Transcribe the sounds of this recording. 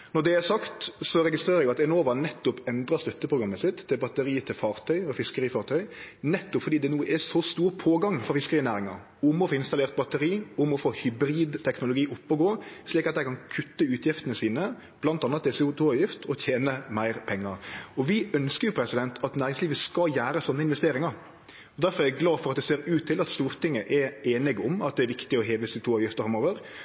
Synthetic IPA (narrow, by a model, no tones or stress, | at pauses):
nɔʁd̪ɛæsɑkt̪sɔɾɛɡɪst̪ɾeːɾəɾjʊɑt̪ɛnoːʋɑnɛt̪ːʊpɛnd̪ɾɑst̪œt̪ːəpʰʁʊɡɾɑmːəsɪt̪ːɪlbɑt̪əɾiːət̪ʰɪlfɑːʁt̪ʰœʏɔfɪskəɾiːfɑːʁt̪ʰœʏnɛt̪ːʊpfɔɾd̪iːd̪ɛnuːəʔɛsɔst̪uːɾpʰoːɡɑŋfɔɾʁfɪskəʁiːnæːɾɪŋɑ̰ɾ | ʊmɔfoːɪnst̪ɑleːʁt̪̚bɑt̪əɾiːʊmɔfoːhʏbɾiːd̪t̪ʰɛknʊlʊɡiːʔʊpːɔɡoːsliːkɑt̪æɪkʰɑnkʰʉt̪ːəʉːt̪ʰjɪft̪ənəsiːnə | b̥lɑnt̪ɑnət̪̚d̪ɛsɛt̪ʰuːɑʋjɪft̪ʰɔt̪ʰjeːnəmæɪɾpʰɛŋːɑɾɔʋɪʔœnskəɾjʊpʰɾɛsɪd̪ɛnt̪ʰɑt̪næːɾɪŋsliːʋəskɑjæːɾəsɔnːəɪnʋɛst̪eːɾɪŋɑɾ | ɔd̪æɾfɔɾɛɾɛɡlɑːfɔɾɑt̪̚d̪ɛseːɾʉːt̪ʰːɪlɑt̪st̪uːɾt̪ʰɪŋːəʔɛɾeːnɪɡʊmɑt̪̚d̪ɛɾʋɪkt̪ɪɔɦeːʋəsɛʊt̪uːɑʋjɪft̪əfɾɑmoːʋəɾ